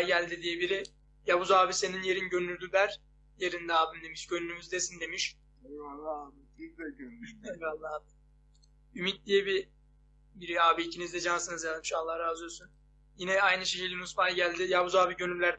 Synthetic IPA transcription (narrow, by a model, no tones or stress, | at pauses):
jɟælʲd̪id̪ijebiɾi | jabuzaːbise̞ninje̞ɾinɟønyɾd̪ylʲæɾ | jeɾind̪ɛaːbɯmd̪e̞miʃɟønylymyzd̪esind̪e̞miʃ | id̪ɛønevalˠːaaːbɯ | ymic̚d̪ijebi | biɾiaːbiicʰinizd̪ɛd͡ʒansɯnɯzjazˠmɯʃalˠːahɾaːzyjosyn | jinɛajnɯʃecʰilʲnusfajɟælʲd̪ijabuzaːbiɟønyɾlʲæɾ